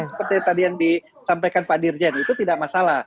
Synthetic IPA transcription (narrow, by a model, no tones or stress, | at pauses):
səpərt̪it̪adijaŋdi | sampajkanpadird͡ʒɛnit̪ut̪idaʔmasalah